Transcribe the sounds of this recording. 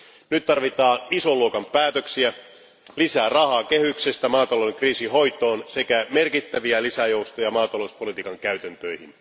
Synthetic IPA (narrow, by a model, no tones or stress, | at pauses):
nyt̪t̪ɑrʋit̪ɑːnisoluokɑmpæːt̪øksiæ | lisæːrɑhɑːkehyksest̪æmɑːt̪ɑlodeŋkriːsiɦo̞jt̪o̞ːnsekæmerkit̪ːæʋiælisæjo̞wst̪ojɑmɑːt̪ɑloispolit̪iːkɑŋkæyt̪ænt̪øjhin